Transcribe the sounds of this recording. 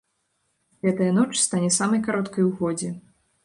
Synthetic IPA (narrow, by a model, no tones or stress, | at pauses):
ɣɛt̪ɐjɐnɔt͡ʂst̪anʲɛsamɐjkaɾɔt̪kɐjwɣɔd͡zʲɛ